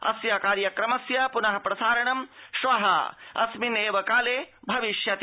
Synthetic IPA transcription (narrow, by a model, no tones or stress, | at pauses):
ɐ̰sjakaːɾjɐkɾɐmɐsjɐpunɐɦɐpɾɐsaːɾɐɳɐmʃʋɐɦɐ̰ɐ̰smineːʋɐkaːleːbʱɐʋiʃjɐt̪